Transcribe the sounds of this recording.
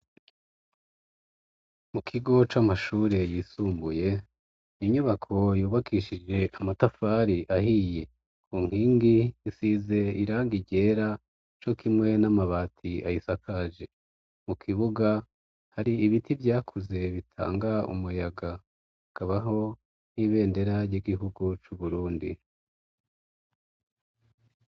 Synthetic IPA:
mukʰiɡo̞t͡ʃamaʃuːɾe̞jiːsuːmbuje̞ | iɲuβakʰo̞juːβakiʃid͡ʒe̞ʔamatafaːɾiʔahije̞ | kʰuːŋ̥hiːŋɡiisize̞iɾaːŋɡiɟe̞ːɾa | t͡ʃo̞kimŋe̞namaβaːtʰia̰jisakʰaʒe̞ | mukʰiβuɡa | haɾiiβitivjaːkʰuze̞βitʰa̰ːŋɡaṵmujaɡa | ikaβaɦo̞ | n̥iːβe̞ːndeɾaɾɟiɡiɦuɡut͡ʃuβuɾuːndḭ

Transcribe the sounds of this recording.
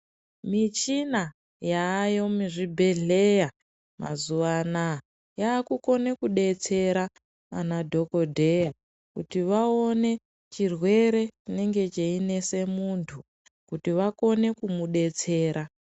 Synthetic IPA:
mit͡ʃina | jaːjo̞muʐibʱe̞ɮeja | ma̰zuʋana | jaːkuko̞ne̞kuɗe̞t͡se̞ɾa | a̰nadʱo̞kodʱe̞ja | kutiʋao̞ne̞ | t͡ʃirwe̞ɾe̞t͡ʃineŋɡe̞t͡ʃeine̞se̞muntʰu | kutiʋako̞ne̞kumuɗe̞t͡se̞ːɾa

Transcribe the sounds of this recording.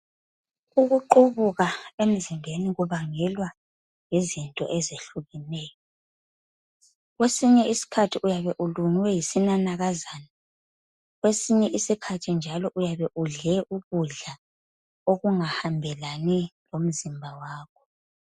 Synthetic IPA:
uɣuǃuβuɣaem̩zimbʱeniɣuβaŋɛlwa | ŋizintʼɔ̰ʔezeɬuɣinɛːjɔ | ɣwesiɲɛisi̥kʰatʰiʔujaβɛʔuluŋwɛjisinanaɣazaːna | ɣwesiɲɛʔisikʰatʰind͡ʒʱalɔʔujaβɛʔuɮɛʔuβuɮa | oɣuŋahambʱɛlanilom̩zimbʱawaːkʰɔ̥

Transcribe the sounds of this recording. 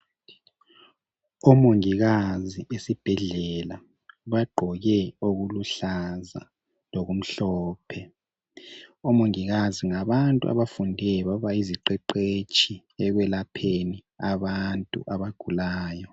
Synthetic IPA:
ɔmoŋiɣaziesib̥ʱɛɮɛla | βaɡ͡ǃʱɔɣɛoɣuluɬaza̰ | loɣum̩ɬɔːpʰɛ | ɔmoŋiɣaziŋaβantʼṵa̰βafundʱɛβaβaiziǃɛǃet͡ʃʼʰi | ɛɣwɛlapʰeni | aβantʼṵʔaβaɡ̥ʱulaːjɔ

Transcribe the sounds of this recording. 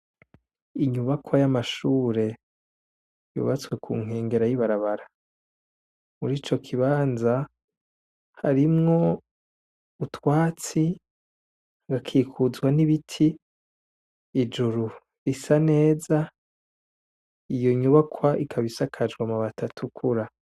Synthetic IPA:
iɲuβakwajamaʃuːɾe̞ | jṵːβat͡swe̞kʰṵːŋ̥e̞ːŋɡe̞ɾajiβaɾaβaɾa | muɾiːt͡ʃo̞kʰiβaːnza | ha̰ɾimŋo̞ | utwaːt͡si | aɡakʰiːkʰuzɡwaniβitʰi | d͡ʒuɾu | ɾisane̞ːza | ijoɲuβakʰwaʔikʰaβisakʰad͡ʒɡwamaβatatʰukʰuɾa

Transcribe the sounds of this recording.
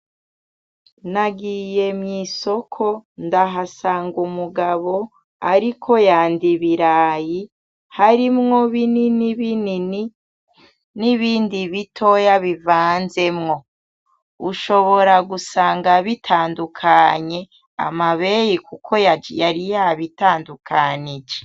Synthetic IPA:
naɡije̞mɲiso̞kʰo̞ndaɦasaːŋɡumuɡaβo̞ | aɾikʰo̞jaːndiβiɾaːji | haɾimŋo̞βininiβini | niβiːndiβitʰo̞jaβivaːnze̞mŋo̞ | uʃo̞βo̞ɾaɡusaːŋɡaβitʰaːndukʰaɲe̞ | a̰maβe̞jikukʰo̞jad͡ʒjaɾijaβitaːndukʰanid͡ʒe

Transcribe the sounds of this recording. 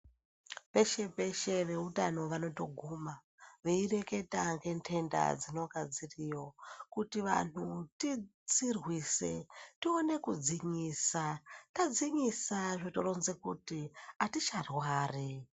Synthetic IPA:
pe̞ʃe̞pe̞ʃe̞ʋe̞utano̞ʋano̞to̞ɡʱuma | ʋe̞ire̞ke̞taŋɡe̞ntʰe̞nda̰d͡zino̞ɡʱad͡ziriːjo̞kutiʋa̰n̤utit͡sirwise̞̰tione̞kud͡ziɲiːsatad͡ziɲisaʐotoɾonze̞kutiatit͡ʃarwaːri

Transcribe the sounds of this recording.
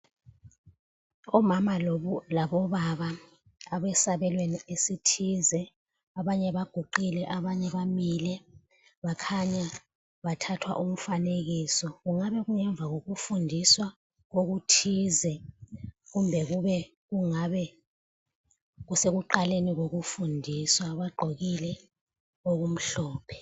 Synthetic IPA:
ɔmamalaβɔβaβa | aβɛsaβɛlweniesitʰizɛ | aβaɲɛβaɡ̥ʱuǃilɛʔaβaɲɛβamilɛ | βakʰaɲa | βatʰatʰwa̰ʔum̩faneɣiːsɔɣuŋaβɛɣuŋɛɱb̪vʱaɣoɣufundʱiswa | ɣoɣ̬utʰizɛ | ɣumbʱɛɣuβɛ | ɣuŋaβɛ | ɣuseɣuǃaleniɣoɣufundʱiswaβaɡ͡ǃʱoɣilɛ | oɣum̩ɬɔːpʰɛ̥

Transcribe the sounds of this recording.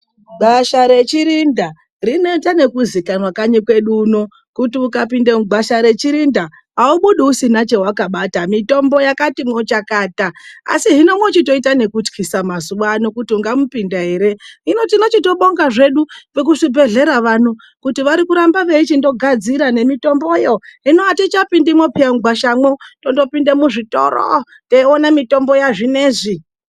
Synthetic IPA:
ɡʱaʃaɾe̞t͡ʃiɾinda | rino̞itane̞kuzikanwakaɲikwe̞ɗuːno̞ | kutiukap̬indemuɡ͡bʱaʃaɾe̞t͡ʃiɾinda | ɦauɓuɗiusinat͡ʃe̞wakaɓatamito̞mbo̞jakatimwo̞t͡ʃakaːtaa̰siɦino̞mwo̞t͡ʃito̞itane̞kut͡ʃkisamazuwanokutiuŋɡamupindaɦe̞ɾe̞ɦino̞tino̞t͡ʃito̞ɓo̞ŋɡaʐe̞ɗuʋek̬uʐibʱe̞ɮe̞ɾaʋan̤u | kutiʋaɾikuɾambaʋe̞it͡ʃindo̞ɡʱad͡ziɾane̞mito̞mbojoɦinoatit͡ʃapindimopiamɡʱwaʃamoto̞ndo̞pindemuʐito̰ɾo̰ | teionamito̞mbo̞jaʐine̞ːʐi

